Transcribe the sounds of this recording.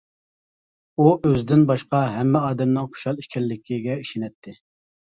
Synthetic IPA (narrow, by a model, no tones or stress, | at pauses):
uʔøzɪd̪ɪnbɑʃqɑɦɛmːɪɑːd̪ɛmnɪŋχo̥ʃɑlˠiʃkʲɛlːɪkʲʰiɡʲɛiʃɪnɛt̪ʰːɪ